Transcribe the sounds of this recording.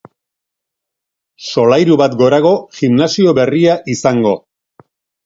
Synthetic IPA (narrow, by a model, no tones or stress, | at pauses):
so̞lajɾuβat̪ɡo̞ɾaɣ̞o̞ɣimnasio̞βe̞riaʔisaŋɡo̞